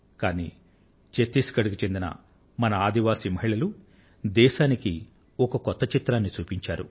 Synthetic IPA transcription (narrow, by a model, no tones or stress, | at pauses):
kaːnḭː | t͡ʃet̪ːiskɐɽukut͡ʃe̞nd̪inɐ̰ | mɐnɐaːd̪iʋaːsimɐɦiɭɐlu | d̪ɛːʃaːniki | ɔkɐkɔt̪ːɐt͡ʃit̪ɾaːnːit͡ʃuːpiɲt͡ʃaːɾṵ